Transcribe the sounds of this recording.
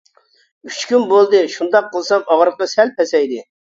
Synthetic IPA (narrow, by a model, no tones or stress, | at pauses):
yt͡ʃkʲynbolˠd̪ɨʃund̪ɑqʰːəlˠsɑŋɑʁɾəqɑsɛlp̚ʰɛsɛjd̪ɪ